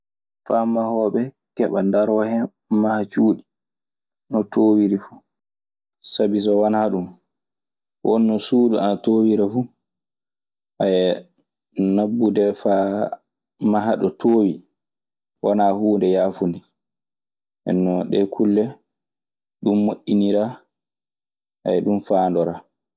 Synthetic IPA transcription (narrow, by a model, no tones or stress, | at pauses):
famahɔːɓɛ | kɛɓa̰ndaɾɔhɛ | mahat͡ʃuːɗi | nɔtʰoːwiɾifu | sabis̬ɔwanaɗum | wɔnːɔsuːduanatoːwiɾafu | ʔajɛ | nabːudɛfaː | maɦaɗɔtʰoːwi | wanahuːndɛjaːfundi | ʔɛ̰nːɔɗɛkʰulːɛ | ɗumːoʔːiniɾa | ʔa̰jɛɗumfaːndɔɾa